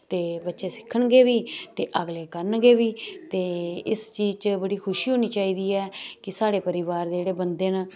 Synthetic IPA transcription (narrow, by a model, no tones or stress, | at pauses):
t̪eːbətːʃeːsɪ̥kʰːəɳɡeːʋiːt̪eːʔəɡleːkəɾənɡeːʋiːt̪eːɪst͡ʃiːzt͡ʃbəɽiːkʰʊʃiːɦoːniːt͡ʃaːiːd̪iːɛːkɪsaːɽeːpəɾɪʋaːɾd̪eeːɽeːbənd̪eːn